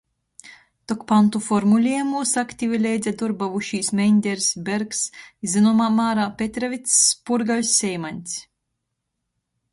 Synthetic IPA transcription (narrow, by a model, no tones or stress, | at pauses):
t̪ɔkpant̪ufɔɾmulʲiɛmusakt̪ʲivʲilʲɛjd̪zʲɛd̪uɾbavuʃiːsmʲɛnʲd̪ʲɛɾsbʲeɾksizʲɨnɔmaːmaːɾapʲet̪ʲɾavʲit̪spuɾɡawʲsʲːɛjmanʲt̪ʲsʲ